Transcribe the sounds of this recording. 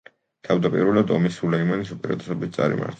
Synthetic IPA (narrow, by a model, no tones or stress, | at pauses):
t̪ʰavd̪apʼḭɾvɛlˠad̪ɔ̰misulɛimanisupʼɛɾat̪ʼɛ̥sɔbit̪̚ʰt̪sʼa̰ɾḭma̰ɾt̪ʰ